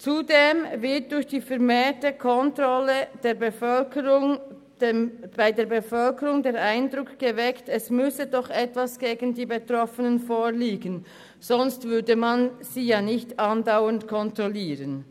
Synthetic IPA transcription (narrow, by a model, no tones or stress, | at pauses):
t͡sudeːmvɪɐt̚d̥ʊɾçd̥iːfɛʁmeːtəkʰɔntʁɔləd̥eːbəfœlkʰəʁʊŋ | d̥b̥aɪdeːɐbefœlkəʁʊŋdeːɾʔaɪndʁʊkɡ̥əvɛktɛsmʏsədɔχɛtvasɡ̥eːɡən̩diːbetʁɔfənənfoːliːɡən | z̥ɔnstvʏɐdəmanz̥iːjɑːnɪçtɑndaʊəntkʰɔntʁɔliːʁən